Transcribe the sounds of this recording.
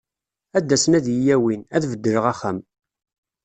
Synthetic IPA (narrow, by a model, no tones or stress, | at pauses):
æd̪ːæsənæðjəjæwinæðvəd̪ːəɾəʁæχæm